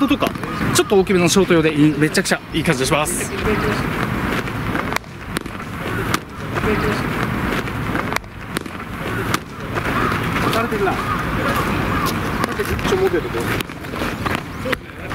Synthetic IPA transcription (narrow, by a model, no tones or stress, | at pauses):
d̪ot̪oka̰t͡ɕo̞t̪ːookʲimenoɕo̞ːt̪o̞jo̞ːd̪eime̞t͡ɕːakɯ̟̥t͡ɕaiːkãɲd͡ʑid̪ɕimas | ot̪aɾet̪eɾina | ot̪eit͡ɕomoked̪oɡoe